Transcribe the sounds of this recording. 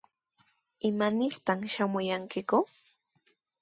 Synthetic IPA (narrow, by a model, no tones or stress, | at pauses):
ɪmanɪɾt̪amʃamʊjaŋkɪkʊ